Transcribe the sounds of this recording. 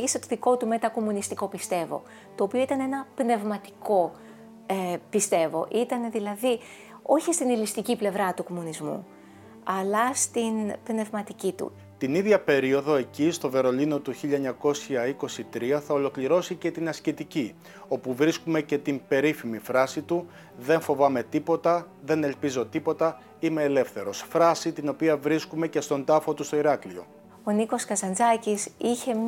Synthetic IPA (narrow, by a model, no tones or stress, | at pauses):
ʝiset̪o̞ðiko̞t̪ume̞t̪ɐko̞munist̪iko̞pist̪e̞vo̞̰ | t̪o̞ːpioit̪ɐne̞nɐpne̞vmɐt̪i̥ko̞ | epist̪e̞vo̞̰ʔit̪ɐne̞ðilɐði | o̞çist̪inilist̪iciple̞vɾɐt̪uko̞munizmṵ | ɐlɐst̪inpne̞vmɐt̪icit̪ṵ | t̪iniðʝɐpe̞ɾio̞ðo̞e̞cist̪o̞ve̞ɾo̞lino̞t̪uçiʎɐeɲɐko̞sçɐiko̞sit̪ɾiɐθɐo̞lo̞kliɾo̞sice̞t̪inɐscit̪ici | o̞puvɾiskume̞ce̞t̪imbe̞ɾifimifɾɐsit̪u | ðe̞ɱfo̞vɐme̞t̪ipo̞t̪ɐðe̞ne̞lpizo̞t̪ipo̞t̪ɐ | ime̞ːle̞fθe̞ɾo̞sfɾɐsit̪ino̞piɐvɾiskume̞ce̞st̪o̞nd̪ɐfo̞t̪ust̪o̞iɾɐklio̞̰ | oniko̞skɐsɐnd͡zɐcisiçe̞m